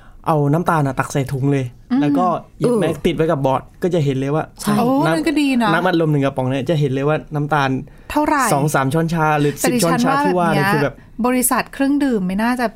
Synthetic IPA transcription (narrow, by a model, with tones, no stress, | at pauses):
ʔa˧wna˦˥mt̪aː˧nʔa˨˩t̪a˨˩k̚sa˨˩jt̪ʰu˩˦ŋlɤː˧jlɛː˦˥kɔː˥˩ja˩˧mɛː˦˥t̪i˨˩t̪̚wa˦jka˨˩p̚bɔː˨˩t̪̚kɔː˥˩t͡ɕa˨˩ɦe˨˩˦nlɤː˧jwaː˥˩t͡ɕʰa˥˩o˧na˦˥˧kɔ˥˩diː˧na˦˥na˦˥mʔa˧lo˧mnɯ˨˩ŋka˧˩pɔ˩˦ŋna˧˥˩t͡ɕa˨˩ɦe˩˦lɤː˧jwaː˥˩na˦˥mt̪aː˧n | t̪ʰa˥˩wɾa˨˩sɔː˩˦ŋsaː˩˦mt͡ɕʰɔː˥˩nt͡ɕʰaː˦˥ɾɯː˨˦si˧˨˩t͡ɕʰɔː˥˩˧nt͡ɕʰaː˦˥t̪ʰuː˧˥˩waː˧˥˩ɾa˧˩˦kʰɯː˧bɛː˨˩p̚ | bɔː˧ɾi˧sa˨˩t̪̚kʰɾɯ˥˩ŋdɯː˨˩mːa˥˩jnaː˥˩t͡ɕa˨˩